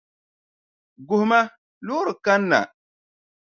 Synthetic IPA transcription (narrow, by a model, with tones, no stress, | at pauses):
ɡʊ˨hʊ˨˦ma˦ | lʊ˦ɾɨ˨ka˦nːa̰˨